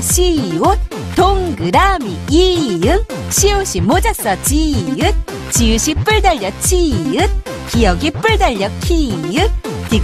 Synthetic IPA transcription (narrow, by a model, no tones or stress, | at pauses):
ɕʰiiot̚ | t̪oŋɡɯɾamiiɯŋ | ɕʰioɕ͈ʰimod͡ʑas͈ʌt͡ɕiɯt̚ | t͡ɕiɯɕʰip͈ɯɭdaʎːʌt̚t͡ɕʰiɯt̚ | kijʌɡip͈ɯɭdaʎːʌk̚kʰiɯt̚ti